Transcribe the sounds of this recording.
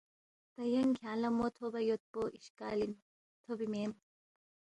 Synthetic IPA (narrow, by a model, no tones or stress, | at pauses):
t̪ɐjɐŋkʰjaːlɐmot̪ʰobɐjot̪̚poːʔiʃka̰ːlin | t̪ʰobimeːm